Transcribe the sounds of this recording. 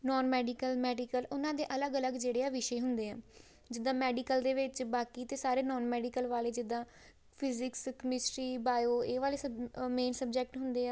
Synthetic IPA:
nɔːnmɛːɖikəlmɛːɖikəlʊnãːd̪eːʔələɡələɡd͡ʒeːɽeːɛːʋɪʃeːɦʊnd̪eːã̰ː | d͡ʒɪd̪ːãːmɛːɖiːkəld̪eːʋɪt͡ʃbaːkiːt̪eːsaːɾeːnɔːnmɛːɖikəlʋaːleːd͡ʒɪd̪ːãː | pʰɪzɪkskmɪsʈɾiːbaːjoːeːʋaːleːsəmeːnsəb̚d͡ʒɛːk̚ʈɦʊnd̪eːaː

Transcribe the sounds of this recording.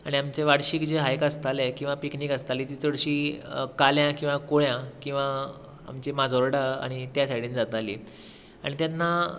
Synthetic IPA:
aɽ̃iamt͡ɕeʋaɽɕiːkd͡ʑeɦajkəst̪alekĩw̃ʋapiknikəst̪aliːt̪iːt͡səɽɕiːkaljãkĩw̃ʋakoɭjãkĩw̃ʋa̰ː | mt͡ɕemad͡zʱoɾɽaa̰ɽ̃it̪jasaɽiːnd͡zat̪alḭː | a̰ɽ̃it̪janːa

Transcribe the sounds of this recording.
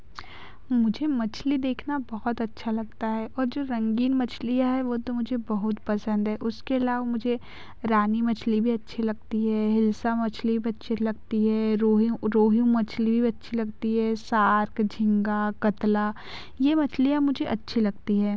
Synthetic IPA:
mʊd͡ʒʱemɐt͡ʃʰlid̪eːkʰnabɐɦʊt̪ɐtːʃʰalɐɡ̚t̪aɦɛʔɔːɾd͡ʒoːɾɐ̃ŋɡiːnmɐt͡ʃʰlijaɦɛʋoːt̪omʊd͡ʒʱebɐɦʊt̪pɐsə̃nd̪ɦɛːʔʊskeɪlaːʋamʊd͡ʒʱe | ɾaːnimɐt͡ʃʰlibʱiɐtːʃʰilɐɡ̚t̪iɦɛːɦɪlsamɐt͡ʃʰlibʱiɐtːʃʰelɐɡ̚t̪iɦɛːɾoːɦɾoːɦijũmɐt͡ʃʰlibʱiɐtːʃʰilɐɡt̪iɦɛːsaːɾkd͡ʒʱɪ̃ŋɡakɐt̪la | jemɐt͡ʃʰlijãmʊd͡ʒʱeʔɐtːʃʰilɐɡt̪iɦɛː

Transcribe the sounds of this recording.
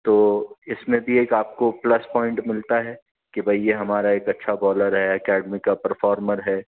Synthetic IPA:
t̪oːɪsmẽbʱieːkaːp̚koplɐspɔ̃ːɪ̃ɳʈmɪlt̪aɦɛ | kibʱɐijeɦɐmaːɾaeːkɐtːʃʰabɔːləɾɦɛɐkɛːɖəmikapɐɾfɔːɾməɾɦɛː

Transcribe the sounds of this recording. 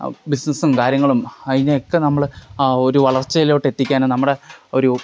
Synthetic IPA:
bisnɐsumkaːɾjɐŋːɐɭumɐðineokːenɐmːɐɭo̞ɾuʋɐɭɐrt͡ɕːɐjilo̞ːʈːe̞t̪ːikʲːaːnonɐmːuɽe̞o̞ɾu

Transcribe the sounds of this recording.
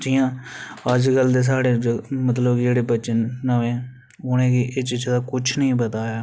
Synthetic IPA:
d͡ʒiːjãːəd͡ʒkəld̪eːs̬aːɽeːmət̪̬ləbd͡ʒeːɽeːbətːt͡ʃənːəʋẽː | ʊnẽːkiʔɪt͡ʃid͡ʒed̪aːkʊt͡ʃʰnəɦĩːbət̪aːjaː

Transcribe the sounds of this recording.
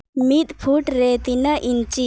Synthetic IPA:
mit̪pʰuʈɾeːt̪inɐʔint͡ʃi

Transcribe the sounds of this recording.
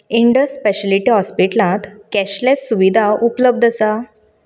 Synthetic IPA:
iɳɖəsːpeɕəliʈiːɦɔspiʈlãt̪kɛɕlẽt͡ssuʋid̪ʱaʔupləb̚d̪ʱəsa

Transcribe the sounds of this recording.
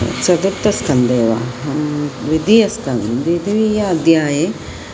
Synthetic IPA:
t͡ʃɐd̪ut̪ːɐskɐnd̪eːʋa̰ɦɐmʋid̪ijɐskɐnd̪id̪iʋijaːd̪jaːje

